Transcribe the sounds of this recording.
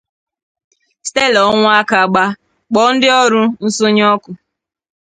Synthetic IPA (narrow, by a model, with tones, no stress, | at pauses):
ste˦lɔ˨˦ŋʷʊ˦a˦ka˨ɡ͡ba˦ | k͡pɔ˦n̩˦dɪ˦ɔ˦ɾʊ˦n̩˦sʊ˦ɲ˦ɔ˦kʊ˨